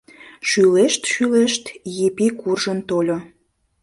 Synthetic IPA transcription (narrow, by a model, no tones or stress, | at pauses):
ʃyleʃt̪ʃyleʃt̪jepikurʒənt̪olʲo